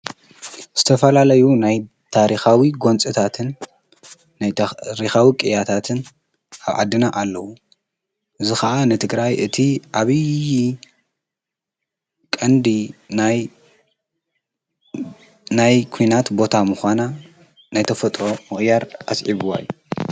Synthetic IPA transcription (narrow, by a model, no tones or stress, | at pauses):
z̥ɨt̪ʰɐfɐlalɐjunaj | t̪ʰaɾixawiɡo̞nt͡sʼɨt̪ʰat̪ʰɨnː | ajɾixawikʼɨjat̪ʰat̪ʰɨn | ʔaβʕa̰d̪ːɨnaʔalːɐwu | ʔɨzixɐʔanɨt̪ʰɨɡɾajʔɨt̪ʰiʕaβɨj | kʼɐnd̪inaj | najkʰujnat̪bo̞t̪ʰamuxʷana | najt̪ʰɐfɐt̪ʼɾo̞mɨxʼjaɾa̰sʕiβuwa̰jːu